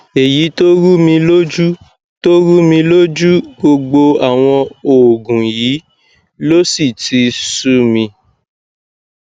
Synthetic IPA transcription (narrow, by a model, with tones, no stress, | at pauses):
e˨ji˨˦to˦ɾu˦mĩ˧lo˦d͡ʒu˦ | to˦ɾu˦mĩ˧lo˦d͡ʒu˦ɡ͡bo˧ɡ͡bo˧a˨w̃ɔ̃˧o˨ɡũ˨jiː˨˦ | lo˦si˦˨ti˧su˦mĩ˧